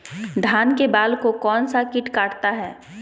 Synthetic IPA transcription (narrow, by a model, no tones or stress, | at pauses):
d̪ʱaːnkebaːlkokɔːnsakɪʈkaːʈt̪aɦɛː